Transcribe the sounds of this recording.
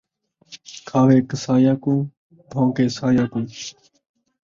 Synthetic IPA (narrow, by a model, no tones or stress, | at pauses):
kʰaːʋeːkəsaːjaːkũː | b̪ʱõːkeːsaːjaːkũː